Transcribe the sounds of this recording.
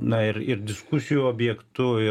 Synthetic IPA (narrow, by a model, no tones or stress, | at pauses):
nɐɪɾɪrd̪ʲɪskʊsʲɪjuːoːbʲjɛkt̪ʊɪ